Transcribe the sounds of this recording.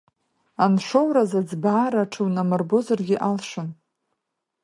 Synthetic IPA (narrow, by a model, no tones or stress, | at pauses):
anʃʷo̞wɾazad͡zbaːɾaʈ͡ʂʰɨwnamɨrbo̞zarɡʲɪʔalʃʷʊn